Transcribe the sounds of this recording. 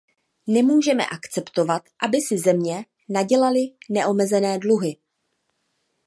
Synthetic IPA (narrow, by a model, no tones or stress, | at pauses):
nɛmuːʒɛmɛ̰ʔakt͡sɛpt̪o̞vat̪ʔabɪsɪzɛmɲɛ | naɟɛlalɪnɛʔo̞mɛzɛnɛːdluɦɪ